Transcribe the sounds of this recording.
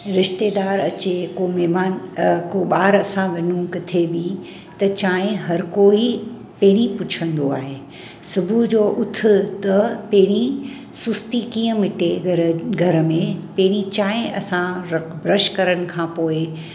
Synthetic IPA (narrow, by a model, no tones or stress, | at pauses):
ɾɪʃt̪eːd̪aːɾɐt͡ɕekomɛmaːnkoɓaːɾɐsãʋɐnũkɪt̪ʰebi | t̪ɐt͡ɕaːɦɪ̃ɦɐɾkoːi | pɐɦɪɽ̃ipʊt͡ɕʰə̃nd̪oaːɦeː | sʊbʱud͡ʑoːʔʊt̪ʰɪ̆t̪ɐpɐɦɪɽ̃i | sʊst̪ikiːə̃mɪʈeɾɡʱɐɾmẽpɐɦɪɽ̃it͡ɕaːɦɪ̃ɐsãɾbɾɐʃkɐɾəɽ̃̆kʰãːpoːɪ